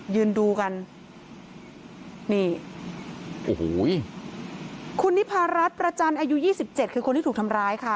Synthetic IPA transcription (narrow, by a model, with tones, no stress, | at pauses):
jɯː˧nduː˧ka˧n | niː˥˩ | ʔoː˨˩hoː˩˦j | kʰu˧nːi˦˥pʰaː˧ɾa˦˥t̪̚pɾa˧t͡ɕa˧nʔaː˧ju˦˥jiː˥˩si˨˩p̚t͡ɕe˨˩t̪̚kʰɯː˧kʰo˧t̪ʰiː˥˩uː˨˩t̪ʰmɾaː˦˥jkʰa˥˩